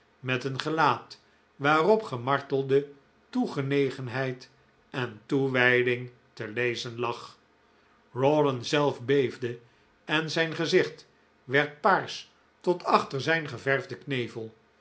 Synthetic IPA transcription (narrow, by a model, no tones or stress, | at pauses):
mɛtənχəlaːt | ʋaːrɔpχəmɑɹtəlˠdə | tuχənejχənɦɛjt | ɛntuʋɛjdɪŋ | təlejzənlɑχ | rɔdənzɛlˠfbejvdə | ɛnzɛjnχəzɪχt | ʋɛɹt̚paːɹs | tɔtʰɑχtəɹzɛjnχəvɛɹvdəknejvəlˠ